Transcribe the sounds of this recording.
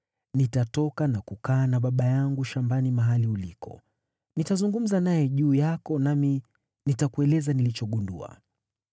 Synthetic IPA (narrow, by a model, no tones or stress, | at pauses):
nitatɔkanakukaːnaɓaɓajaŋɡuʃambanimaɦaliulikɔ̰ | nitazuŋɡum̩zanajɛʄuːjakɔnami | nitakuɛlɛzanilit͡ʃɔɠundua̰